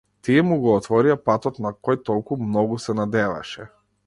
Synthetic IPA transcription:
t̪iɛmuɡɔːt̪vɔɾiapat̪ɔt̪nakɔjt̪ɔlˠkumnɔɡusɛnad̪ɛva̰ʃɛ

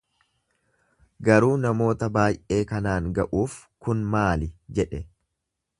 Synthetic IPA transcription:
ɡɐɾuːnɐmo̞ːt̪ɐbaːjʔʔe̞ːkɐnaːŋɡɐʔuːf | kʊnmaːlɪd͡ʒɛᶑɛ

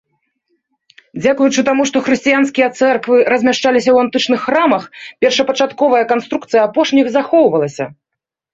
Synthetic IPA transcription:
d͡zʲakujut͡ʂɨt̪amuʂt̪ɔxɾɨsʲt͡sʲijanskʲijɐt̪sɛrkvɨɾɐzʲmʲaʂt͡ʂalʲisʲɐwant̪ɨt͡ʂnɨxːɾamɐxpʲɛrʂɐpɐt͡ʂat̪kɔvɐjɐkan̪st̪ɾukt̪sɨjɐapɔʂnʲiɣzaxɔwvɐlˠɐsʲɐ

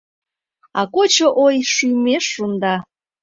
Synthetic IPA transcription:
ɑkot͡ɕoʔojʃyjmeʃːund̪ɑ

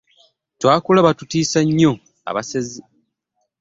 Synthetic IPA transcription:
twaːkulaβatutiːsaɲːo | a̰βasezi

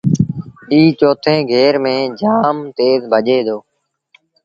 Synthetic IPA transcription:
iːt͡ʃoːt̪ʰẽːɡʱeːɾmẽːd͡ʒaːmt̪eːzbʱəʄeːd̪oː

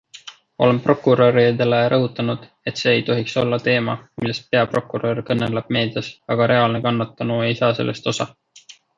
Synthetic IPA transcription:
o̞̰le̞mpro̞kːˑuɾoɾid̪eleɾʔɤɦut̪ːˑɑnud̪̥ | e̞t̪se̞ːjt̪o̞ɦikso̞lːɑt̪e̞ːmɑ̰milːest̪̚pe̞ɑpro̞kːˑuɾorkɤnːelɑb̥me̞ːd̪̥ɑsɑɡ̥ɑɾe̞ɑlnekɑnːɑt̪ːˑɑnuejsɑːse̞lʔe̞st̪o̞sɑ

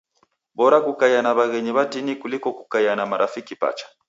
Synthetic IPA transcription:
bɔɾakukajanaβaɣɛɲiβadinikulikɔkukajanamaɾʔafikipa̰t͡ʃḁ

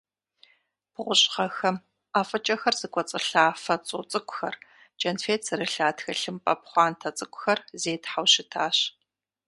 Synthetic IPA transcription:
pʰʁʷʊɕʼχɐxɐm | aːfʼɐt͡ʃʼɐxɐrz̥ɨkʷʼɔt͡sʼɨɬaːfɐt͡sʼuːt͡sʼɨkʷʼʊxɐr | t͡ʃʼɐnfeːtsɨrɨɬaːtxɐɬɨmpʼɐ̰p̚χʷɑːntʰɐt͡sʼɨkʷʼʊxɐrzeːtħawɕɪtʰaːɕ

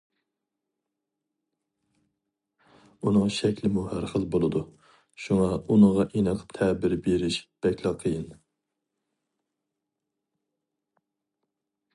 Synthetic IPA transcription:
unɨŋʃɛkʲlɪmuhæɾχəlˠbolˠɨd̪u | ʃuŋɑunəʁɑʔinəqʰt̪ʰɛbɪɾbeɾɪʃb̥ɛkʲlˠɑqʰːəjɨn

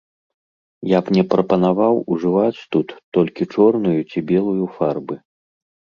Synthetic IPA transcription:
japnʲɛpɾɐpɐnavawuʐɨvat͡sʲt̪ut̪ːɔlʲkʲit͡ʂɔrnujut͡sʲibʲɛlˠujufarbɨ

